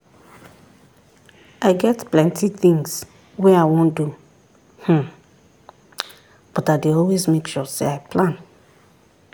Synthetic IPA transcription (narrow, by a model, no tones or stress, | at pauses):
ʔaɪɡɛtplɛ̃ntʰiθĩŋs | wɛaɪwõndu | h̩ | b̥ɔtadeɔlwezmekʃusḛaɪpʰlãn